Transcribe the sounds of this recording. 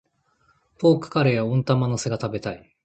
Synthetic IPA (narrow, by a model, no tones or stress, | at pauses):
po̞ːkɯ̟̥kaɾejaõnt̪amanose̞ɡat̪abe̞t̪ai